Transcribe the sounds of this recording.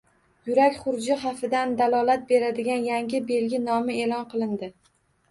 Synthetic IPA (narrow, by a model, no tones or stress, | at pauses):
jʊɾakʲχʊɾd͡ʒɪχafɪd̪and̪alˠɒlˠat̪̚be̞ɾad̪ɪɡʲanjaŋʲɪbe̞lɡʲɪnɒmɪe̞lˠɒnqʰɨlˠɪnd̪ɪ